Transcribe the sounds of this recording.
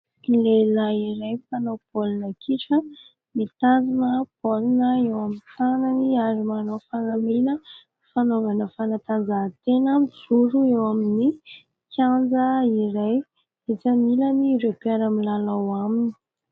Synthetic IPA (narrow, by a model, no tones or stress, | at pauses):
ilelaiɾajfanopolinəkʰiʈ͡ʂə | mit̪and͡zinəpolinəewamintanəniaɾimanofanamilə | fanovanəfanat̪and͡zat̪enəmit͡suɾuewamini | kjand͡zəiɾaj | izamiləniɾepeɾamilalawamini̥